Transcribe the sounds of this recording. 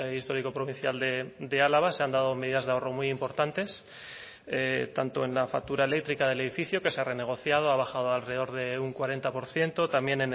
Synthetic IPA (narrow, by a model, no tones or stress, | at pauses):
ist̪o̞ɾiko̞pɾo̞βin̟θjald̪ed̪e̞alaβ̞aseand̪að̞o̞me̞ðiðazðeao̞ro̞mujimpo̞ɾt̪ant̪e̞s | et̪ant̪o̞e̞nlafa̰k̚t̪uɾae̞le̞k̚t̪ɾikaðe̞le̞ð̞ifiθjoke̞seare̞ne̞ɣ̞o̞θjað̞o̞aβaxaðoalre̞ð̞o̞ɾðe̞uŋkwaɾe̞nt̪apo̞ɾθje̞nt̪o̞t̪amje̞nen